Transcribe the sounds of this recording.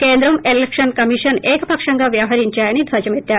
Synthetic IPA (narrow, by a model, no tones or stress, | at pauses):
kend̪ɾɐmelekʂənkəmiʂənekpɐkʂaŋɡaʋjaɦaɾiɲt͡ɕjaañid̪ʱʋad͡ʑəmet̪ja